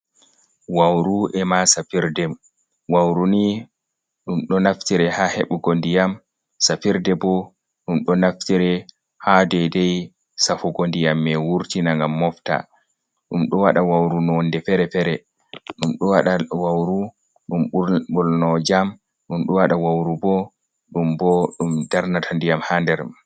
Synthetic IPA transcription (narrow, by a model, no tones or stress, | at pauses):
wawɾuʔɛmasafiɾdɛm | wawɾuni | ɗumɗɔnaftiɾɛhahɛɓuɡondijam | safiɾdɛbɔ | ɗumɗɔnaftiɾɛ | hadɛdɛj | safuɡondijamːɛwuɾtinaŋɡamːɔfta̰ | ɗumɗɔwaɗawawɾunɔndɛfɛɾɛfɛɾɛ | ɗumɗɔwaɗawawɾu | ɗumɓulnɔd͡ʒam | ɗumɗɔwaɗawawɾubɔ | ɗumbɔɗumdaɾnatʰandijamhandɛɾ